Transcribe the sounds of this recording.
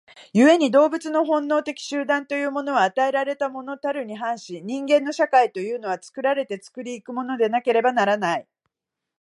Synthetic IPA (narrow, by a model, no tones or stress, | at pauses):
jɯ̟e̞ɲ̟id̪o̞ːbɯ̟t͡sɨno̞ɦõ̞nːo̞ːt̪e̞kʲi̥ɕɨːd̪ãnt̪o̞jɯ̟ːmo̞no̞βaːt̪ae̞ɾaɾe̞t̪amo̞no̞t̪aɾɯ̟ɲ̟iɦãɰ̃ɕiɲ̟ĩŋɡẽ̞nːo̞ɕakait̪o̞jɯ̟ːno̞βat͡sɨ̥kɯ̟ɾaɾe̞t̪e̞t͡sɨ̥kɯ̟ɾʲiːkɯ̟mo̞no̞d̪e̞nake̞ɾe̞banaɾanai